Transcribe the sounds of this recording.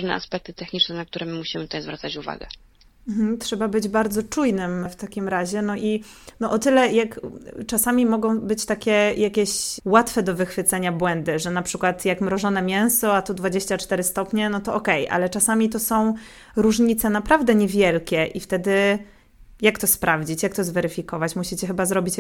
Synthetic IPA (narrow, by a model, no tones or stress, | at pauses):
ʐnɛ̰ʔa̰spɛk̚t̪ɘ̥t̪ɛxɲit͡ʂnɛnak̚t̪uɾɛmɘmuɕimɘt̪ut̪ajzvɾat̪sat͡ɕuva̰ɡɛ | m̩t̪ʂɛbabɘd͡ʑbaɾd̪zɔt͡ʂujnɘmft̪akʲimɾaʑɛnɔʔinɔʔɔt̪ɘlɛjakt͡ʂasamʲimɔɡɔ̃w̃bɘt͡ɕt̪akʲɛjakʲɛɕwat̪fɛd̪ɔvɘxfɘt̪sɛɲabwɛnd̪ɘʐɛnapʂɘkwat̪jakmɾɔʐɔn̪ɛmʲjɛ̃w̃sɔat̪ud̪vad͡ʑeɕt͡ɕat͡ʂt̪ɛɾɘst̪ɔpɲɛnɔt̪ɔɔkɛjʔa̰lɛt͡ʂasamʲit̪̬ɔsɔ̃w̃ | ɾuʐɲit̪sɛnapɾavd̪ɛɲɛvʲjɛlkʲɛʔift̪ɛd̪ɘ | jakt̪ɔspɾʔavd͡ʑit͡ɕjak̚t̪ɔzvɛɾɘfʲikɔvat͡ɕmuɕit͡ɕɛxɘbazɾɔbʲit͡ɕ